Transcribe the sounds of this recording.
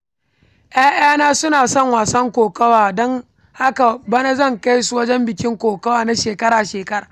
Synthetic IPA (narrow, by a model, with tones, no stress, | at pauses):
ʔj̰aː˦ʔɪ̰aː˦naː˦sʊ˦naː˨sɔ˦ŋwaː˨sɐ˦ŋkʷoː˨kɐ˦waː˨dɔ˦ŋ | ha˦ka˨bɐ˦na˦zɐ˦˨ŋka˦jsu˨wɐ˦d͡ʒɛ˦mbɪ˨kʲɪ˦ŋkʷoː˨kɐ˦waː˨na˦ʃeː˨kɐ˦ɽaː˨ʃeː˨kɐ˦ɾaː˨